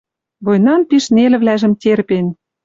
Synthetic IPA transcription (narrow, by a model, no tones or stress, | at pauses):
βojnɑmpiʃnelɘ̆βlæʒə̆mt̪ʲerpen